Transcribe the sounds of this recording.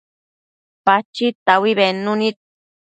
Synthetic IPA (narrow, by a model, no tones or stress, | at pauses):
pat͡ʃit̪awiβenunit̪̚